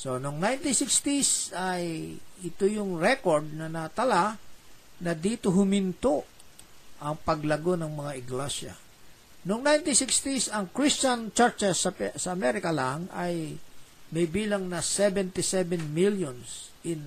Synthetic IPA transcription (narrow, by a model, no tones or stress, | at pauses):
so̞nʊŋnajnt̪isɪkst̪isajʔɪt̪ojʊŋɹɛkoɹd̪̚nɐnɐt̪ɐla | nɐd̪iːt̪oɦʊmɪnt̪o | ʔɐŋpɐɡlɐɡo̞nɐŋmɐŋaɪɡlɛsja̰ | nʊŋnajnt̪isikst̪isɐŋkɹist͡ʃɐnt͡ʃɛɹt͡ʃɛsɐsɐɐmɛɾɪkɐlaŋɐj | mɐjbiːlɐŋnɐsɛbɛnt̪ɪsɛbɛnmiljons | ʔɪn